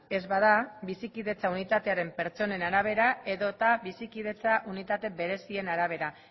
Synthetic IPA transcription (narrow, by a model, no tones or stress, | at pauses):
e̞zβað̞aβisikiðe̞t͡saunit̪at̪e̞aɾe̞mpe̞ɾt͡so̞ne̞naɾaβ̞e̞ɾae̞ðo̞t̪aβisikið̞e̞t͡saʔunit̪at̪e̞be̞ɾe̞sie̞naɾaβ̞e̞ɾa